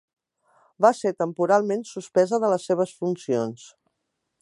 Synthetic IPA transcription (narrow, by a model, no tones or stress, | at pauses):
baset̪əmpuɾalˠmensuspɛzəðələsːeβ̞əsfunsions